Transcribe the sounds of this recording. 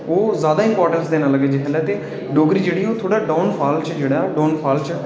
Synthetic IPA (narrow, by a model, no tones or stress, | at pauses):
oːzjaːd̪aːɪ̃mpɔːɾʈəɳsd̪eːnãːləɡeːd͡ʒeːkʰəːlɛːt̪eː | ɖoːɡɾiːd͡ʒeːɽiːoːt̪ʰoːɽaːɖaːnpʰaːlt͡ʃd͡ʒeːɽaːɖãːnpʰaːlt͡ʃə